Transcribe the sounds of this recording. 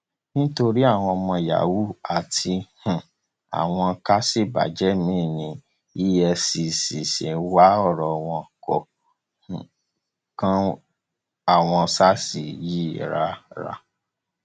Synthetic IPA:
nĩ˦to˧ɾi˦a˦˨w̃ɔ̃˧ɔ˧mɔ̃˧ja̰˨wu˦a˨tʰi˧hũ˨ | a̰˨w̃ɔ̃˧ka˦si˦˨ba̰˨d͡ʒɛ˦mĩ˦˨nĩ˧ | i˦jɛ˧si˨si˨sẽ˨wa˦ɔ˦˨ɾɔ˨w̃ɔ̃˧kɔ˨ | hũ˨ | kã˦ | a˨w̃ɔ̃˧sa˦si˨ji˦˨ɾa˧˦ɾa̰˧

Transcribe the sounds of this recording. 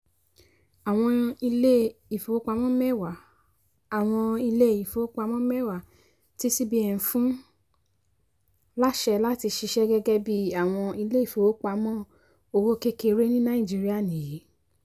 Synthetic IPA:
a˨w̃ɔ̃˧i˧le˦i˨fo˨o˦k͡pa˧˦mɔ̃˦mɛ˦wa˨ | a˨w̃ɔ̃˧i˧le˦i˨fo˨o˦k͡pa˧mɔ̃˦mɛ˦˨wa˨ | ti˨˦si˦bi˦ɛ˨n̩˨fũ˦ | la˦ʃɛ˧la˦ti˧ʃi˧ʃɛ˦ɡɛ˦ɡɛ˦bi˦a˨w̃ɔ̃˧i˧le˦i˦˨fo˨˦o˦k͡pa˧mɔ̃˦ | o˧wo˦ke˦ke˧ɾe˦nĩ˦nã˦ĩ˦˨d͡ʒi˨˧ɾi˦a˦˨nĩ˨ji˨˦

